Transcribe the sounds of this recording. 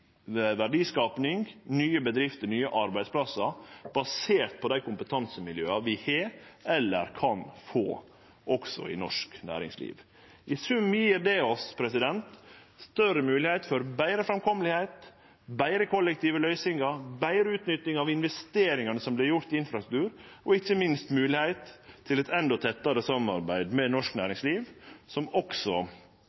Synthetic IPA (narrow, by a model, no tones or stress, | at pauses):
ʋæɖiːskɑːpnɪŋnyːəbəd̪ɾɪft̪ənyːəʔɑɾbæɪd̪spʰlɑsɑb̥ɑseːɾt̪̚pʰɔd̪æɪkʰʊmpət̪ʰɑnsəmɪljø̰ːɑʋɪheːɛlːə̰ɾkʰɑnfo̰ː | ʔɔksɔ̰ɪ̰nɔ̰ʂknæ̰ːɾɪ̰ŋslḭːʋ | ʔɪsʉmːjiːɾd̪ɛɔspʰɾɛsɪd̪ɛnt̪st̪œɾəmʉːlɪhæɪt̪fɔɾbæɪɾəfɾɑmkʰɔməlɪheɪt̪ | bæɪɾəkʰɔlːɛkt̪iːʋəlœʏsɪŋɑbæɪɾəʉːt̪nʏt̪nɪŋɑʋɪnʋɛst̪eːɾɪŋɑnəsɔmblɛjʊɾt̪ɪɪnfɾɑsɾʉ̥kt̪ʉːɾɔɪçəmɪnst̪mʉːlɪhæɪt̪ʰːɪlɛt̪ɛnd̪ɔt̪ʰɛt̪ːɑɾəsɑmːɑ̰ɾbæɪd̪mɛnɔʂknæːɾɪŋsliːʋsɔmɔksɔ